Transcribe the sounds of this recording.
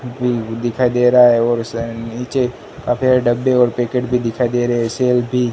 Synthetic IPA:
bʱid̪ɪkʰaed̪eːɾaaɦɛɔːɾniːt͡ʃe | kapʰeɖəbːeɔːɾpeːkeʈbʱid̪ɪkʰaed̪eːɾeɦɛseːlbʱi

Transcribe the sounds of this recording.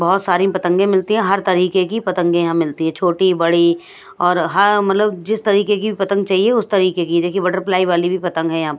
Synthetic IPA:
bɐɦʊt̪saːɾĩpɐt̪ə̃ŋɡẽmɪlt̪ĩɦɛ̃ɦɐɾt̪ɐɾiːkekipɐt̪ə̃ŋɡẽjɐɦãmɪlt̪iɦɛ̃t͡ʃʰoːʈibɐɽi | ɔːɾɦɐɾmɐt̪ləbd͡ʒɪst̪ɐɾiːkekibʱipɐt̪ə̃ŋɡ̚t͡ʃaːɦieʊst̪ɐɾiːkekid̪eːkʰiebɐɖəɾplaːiʋaːlibʱipɐt̪ə̃ŋɡɦɛ̃jɐɦãːpə

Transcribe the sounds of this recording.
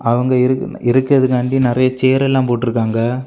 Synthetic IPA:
ʔɐʋɐŋɡɐɪɾɯɪɾɯkːɾɐðɯkɐɳɖinɪɾɐjɐt͡ʃeːɾɛlːãːmpoːʈːɪɾɯkːaːŋɡɐ

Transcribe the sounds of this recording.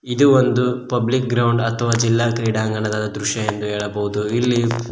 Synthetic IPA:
id̪uʋond̪upɐblik̚ɡɾɐwɳɖɐt̪ʰɐʋaːd͡ʒilːaːkɾiːɽaːŋɡɐɳɐd̪aːd̪ɐd̪ɾuʃjɐjend̪uɦɛːɭɐbɐɦud̪uilːi

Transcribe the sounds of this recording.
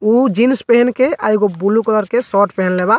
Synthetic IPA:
ud͡ʒinspeɦɛnkeʔaiɡobuluklɔɾkesɔʈpeɦɛnleba

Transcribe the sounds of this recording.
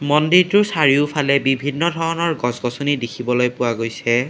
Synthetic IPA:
mɔndiɹtʊɹsaɹiʊpʰalɛbibʱinːɔdʱɔɹɔnɔɹɡɔsɡɔsunidikʰibɔlojpʊwaɡojsɛ

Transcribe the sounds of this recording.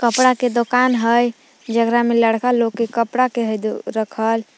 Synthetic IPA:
kəpɽaked̪okanɦəj | d͡ʒəɡɾameləɽkalokːekəpɽakeɦəjd̪ɾəkʰəl

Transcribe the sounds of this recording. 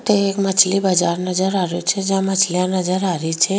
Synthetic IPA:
t̪eekmət͡ʃʰlibəd͡ʒaɾnəd͡ʒəɾaɾjut͡ʃʰed͡ʒjãmət͡ʃʰliãnəd͡ʒəɾaɾit͡ʃʰe

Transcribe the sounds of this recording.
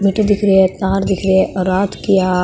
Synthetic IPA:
mɪʈəd̪ɪkʰɾeet̪aːɾd̪ɪkʰɾeeɔɾaːt̪kija

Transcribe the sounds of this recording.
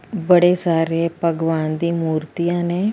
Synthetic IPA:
bəɽeːsaːɾeːpəɡʋaːnd̪iːmuːɾt̪ijãːneː

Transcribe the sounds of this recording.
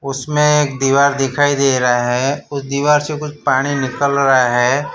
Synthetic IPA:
ʊsmẽeːk̚d̪iːʋaːɾd̪ɪkʰaːid̪eːɾɐɦaɦɛʊsd̪iːʋaːɾsekʊt͡ʃʰpaːɽ̃inɪkəlɾɐɦaɦɛː

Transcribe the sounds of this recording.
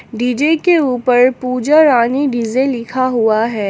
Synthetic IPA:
ɖiːd͡ʒekeuːpəɾpuːd͡ʒaɾaːniɖɪzẽlɪkʰaɦuaɦɛː

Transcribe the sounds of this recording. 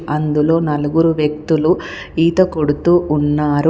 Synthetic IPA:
ɐnd̪ulo̞ːnɐluɡuɾuʋjɐk̚t̪ulu | iːt̪ɐkoɽut̪uːʔunːaːɾu

